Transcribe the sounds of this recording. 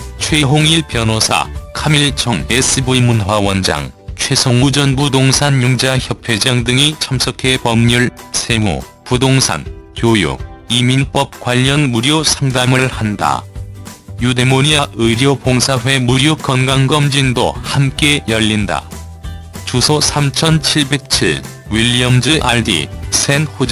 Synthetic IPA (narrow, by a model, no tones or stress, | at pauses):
t͡ɕʰweɦoŋiɭpjʌnosʰa̰kʰamiɭt͡ɕʌŋes͈ɯbuimunɦwawʌnd͡ʑa̰ŋt͡ɕʰwe̞sʰoŋud͡ʑʌnbudoŋsʰanjuŋd͡ʑaçjʌpʰed͡ʑaŋdɯŋit͡ɕʰʌmsʰʌkʰe̞pʌmɲuɭsʰe̞ŋo̰pudoŋsʰa̰nkjojo̰iminp͈ʌp̚kwaʎːʌnmuɾjosʰaŋdaŋɯɭhanda̰ | jude̞moɲiaʔɯɾjopoŋsʰaɸwe̞muɾjokʌnɡaŋɡʌmd͡ʑindo̰hamk͈e̞jʌʎːinda̰ | t͡ɕusʰosʰamt͡ɕʰʌnt͡ɕʰiɭbe̞k̚t͡ɕʰiɭ | wiʎːiʌmd͡ʑɯʔaɭdḭsʰe̞nhod͡ʑi